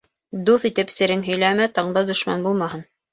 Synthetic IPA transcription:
d̪uθit̪ɘpsɘ̆ɾɘnɦɵ̆jlæmæt̪ɑɴd̪ɑd̪ŏʃmɑ̰nbulˠmɑɦɤn

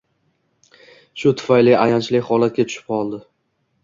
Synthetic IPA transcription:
ʃʊt̪ʰʊ̥fajlɪʔajant͡ʃlɪχɒlat̪̚kʲat͡ʃ̪ʰʊ̥ʃɪ̥p̚qʰɒlˠd̪ɪ

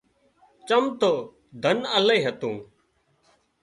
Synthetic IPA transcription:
t͡ʃəmt̪oː | d̪ʱənələiːɦət̪ũː

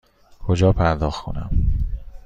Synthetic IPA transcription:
kʰod͡ʒɒːpʰæɾd̪ɒːxkʰonæ̰m

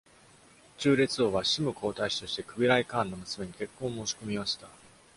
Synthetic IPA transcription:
t͡ɕɨːɾe̞t͡sɨoːβaɕimɯ̟kʰo̞ːt̪aiɕi̥t̪o̞ɕi̥t̪e̞kɯ̟bʲiɾaikãːnːo̞mɯ̟sɨme̞ɲ̟ike̞kːõːmo̞ːɕi̥ko̞mʲimaɕi̥t̪a

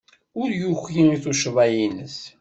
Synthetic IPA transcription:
ʊɾjuxjiiθuʃəvæjinəs

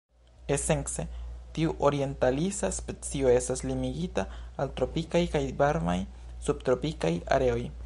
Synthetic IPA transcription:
e̞se̞nse̞tiuʔo̞ɾie̞ntalisaspet͡sio̞e̞staslimiɡitaːltɾo̞pikajkajvaɾma̰j | sub̚tɾo̞pikaja̰ɾe̞o̞j

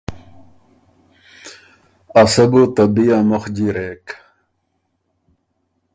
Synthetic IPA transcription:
ɐsɐbut̪ɐbijamoxd͡ʑiɾeːk

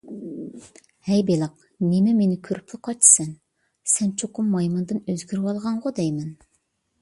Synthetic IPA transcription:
hɛjbelˠɑq̚ | nɪmɛmenɪkʲʰøɾyplʲɪqʰɑt͡ʃsɛn | sɛnt͡ʃʰoqʊmːɑjmɨnd̪ɨnøzɡʲyɾwɑlˠʁɑɴʁɑd̪ɛjmɛn

